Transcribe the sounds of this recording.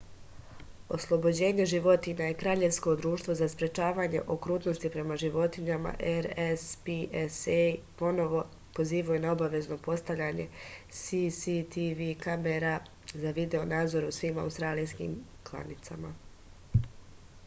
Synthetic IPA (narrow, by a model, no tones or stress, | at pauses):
o̞̰slˠo̞bo̞d͡ʑe̞ːɲe̞ʒiʋo̞t̪iɲajekɾaːʎe̞ʋsko̞d̪ɾuːʃt̪vʋo̞zaspɾe̞t͡ʃaːʋaːɲe̞̰ʔo̞kɾuːt̪no̞st̪ipɾe̞maʒiʋo̞t̪iɲama̰ʔeɾespiesepo̞no̞ʋo̞ | po̞ziːʋajunao̞baʋe̞zno̞po̞st̪aʋʎaɲe̞̰sisit̪iʋikameɾa | zaʋid̪e̞o̞naːd̪zo̞ɾusʋiːma̰ust̪ɾaːlijskḭːm | klˠa̰nit̪sa̰ma